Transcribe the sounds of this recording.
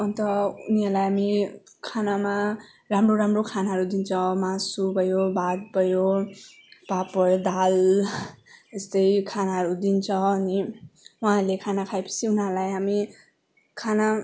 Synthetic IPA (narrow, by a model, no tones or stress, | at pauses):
ʌnt̪ʌunialajɦamikʰanama | ɾamroɾamrokʰanaɦʌɾud̪int͡sʰʌwmasubʱʌjobad̪̚bʌjo | papʌɾd̪al | est̪ʌjkʰanaɦʌɾud̪int͡sʰʌwʌniũɦãlekʰanakʰajpʌ̥siunalajɦami | kʰana